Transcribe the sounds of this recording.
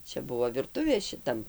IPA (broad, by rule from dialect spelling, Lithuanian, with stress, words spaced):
ˈt͡ʃʲɛ ˈbʊʋoː ʋʲɪrˈtʊʋʲeː ʃʲɪˈtɐm